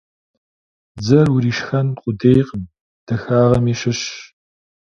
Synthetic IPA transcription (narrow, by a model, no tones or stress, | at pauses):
d͡zɐrwʊɾiːʃxɐnqʷʼʊdejqəm | d̥ɐxaːʁɐmiːɕɪɕ